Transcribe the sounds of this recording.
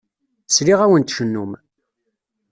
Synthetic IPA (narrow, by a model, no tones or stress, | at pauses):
sliʁæwənt̪ʃənːum